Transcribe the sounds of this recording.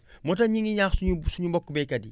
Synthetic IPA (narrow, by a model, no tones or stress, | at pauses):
mot̬aɲiŋiɲaxsuusuɲubokːubekɐdi